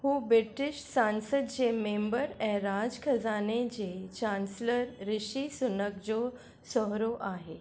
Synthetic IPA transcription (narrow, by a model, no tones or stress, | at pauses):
huːbɾiʈiɕsãnsəd̪̚d͡ʑemembəɾɛ̃ɦɾad͡zkʰəd͡zaned͡ʑet͡ɕansləɾːiɕisunək̚d͡ʑo | sɔɦɾoʔaɦe